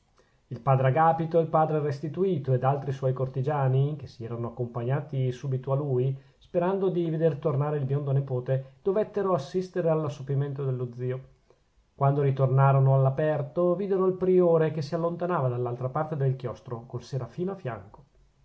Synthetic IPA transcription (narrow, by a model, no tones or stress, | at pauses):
ilpaːd̪ɾeaɡaːpit̪oilpaːd̪ɾerest̪it̪uiːt̪oed̪alt̪ɾiswɔjkort̪id͡ʒaːnikesiɛːɾanoakːompaɲːaːt̪isuːbit̪oalui | speɾand̪od̪ived̪ert̪ornaːɾeilbjond̪onepoːt̪ed̪̥ovet̪ːeɾoasːist̪eɾealːasːopiment̪od̪elːod̪ziːo | kwand̪oɾit̪ornaːɾonoalːapɛrt̪oviːd̪eɾoilpɾioːɾek̟esialːont̪anaːvad̪alːalt̪ɾapart̪ed̪elkjɔst̪ɾokolseɾafiːnoafja̰ŋko̥